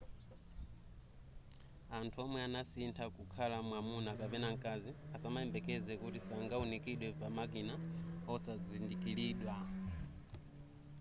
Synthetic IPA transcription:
antʰuɔmwɛanasintʰakukʰalamwamunakapɛnaŋ̩kʼaziasamaɛmbɛkɛd͡zɛkutisaŋɡaunikiɗwɛpamakinaɔsazindikʼiliːɗwa

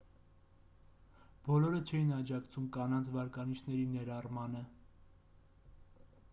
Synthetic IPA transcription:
b̥ɔlɔɾət͡ʃʰɛjinɑd͡ʒɑkt͡sʰumkɑnɑnt͡sʰvɑɾkɑniʃʰnɛɾinɛɾɑrmɑnə

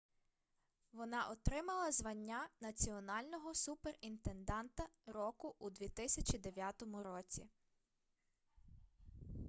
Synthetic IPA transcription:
ʋɔnɑʔɔt̪ɾɪmɐlˠɐzʋɐnʲːanɐt͡sʲiɔnɑlʲnɔɦɔsuperint̪e̞nd̪ɑnt̪ɐɾɔkʊʔud̪ʋʲit̪ɪsʲɐt͡ʃʲid̪eʋʲjat̪ɔmʊɾɔt͡sʲḭ

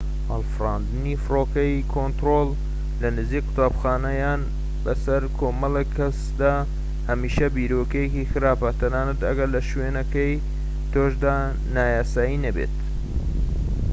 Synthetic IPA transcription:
haːlfraːnd̪ɨnifɨroːkɐjkʰont̪ɾoːl | lɐnɨziːkqɨ̥t̪aːbxaːnɐjaːn | bɐsɐɾkʰoːmɐlekʰːɐs | d̪aː | hɐmiːʃɐbiːɾoːkɐjekixɨɾaːpɐt̪ʰɐnaːnɐd̪ɐɡɐɾlɐʃweːnɐkɐj | t̪oʃd̪aː | naːjaːsaːjinɐbḛt̪

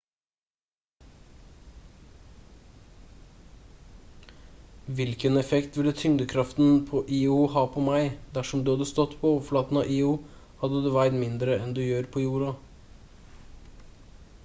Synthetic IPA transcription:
ʋɪlkənɛfɛkt̪ʋɪlːət̪ʰʏŋd̪əkʰɾɑft̪n̩pʰoːʔiːʊhɑːpʰɔmæɪd̪æʂɔmd̪ʉːhɑd̪əst̪ɔt̪ːpʰɔoːʋəflɑːt̪n̩ɑ̰ʔiːʊ | hɑd̪ːəd̪eːʋæɪd̪mɪnd̪ɾəɛnd̪ʉjøːɾpʰɔːjuːɾɑ

